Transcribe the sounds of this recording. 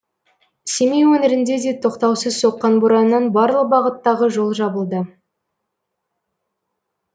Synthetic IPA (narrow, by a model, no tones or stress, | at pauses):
semejwɵnɪɾɪnd̪e̞d̪e̞t̪ʰo̞qt̪ɑwsəz̥so̞qːɑnbuɾɑnːɑnbɑɾlˠəq̚bɑʁət̪ːɑʁəʒo̞lˠʒɑbəlˠd̪ə